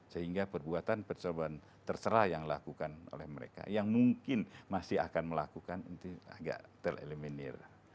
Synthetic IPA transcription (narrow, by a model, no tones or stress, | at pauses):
səɦiŋɡapərbuat̪anpərt͡ʃoban | t̪ərt͡ʃəɾajaŋla̰kukano̰lɛhməɾḛka̰jaŋmuŋkɪnmasɪɦa̰kanməlakukanənt̪ia̰ɡa̰ʔt̪əlḛləminɛ̰r